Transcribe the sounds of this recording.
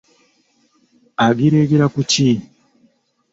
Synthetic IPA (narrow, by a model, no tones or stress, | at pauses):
aɡiɾeɡeɾakuci